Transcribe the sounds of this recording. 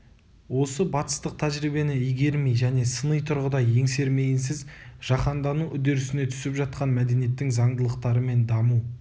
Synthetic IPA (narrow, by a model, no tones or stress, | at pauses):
wo̞səbɑt̪ə̥st̪əq̚t̪ʰæʒɾijbe̞nɪijɡʲe̞ɾmejʒæne̞sənəjt̪ʰʊɾʁəd̪ɑje̞ŋse̞ɾme̞ɡɪns̬ɪzʒ̥ɑqɑnd̪ɑnuʔʏd̪e̞ɾɪsɪne̞t̪ʰʏ̥sɪpʒɑt̪̚qɑnmæd̪e̞nije̞t̪ːɪŋzɑɴd̪əlˠəqt̪ɑɾəme̞nd̪ɑmu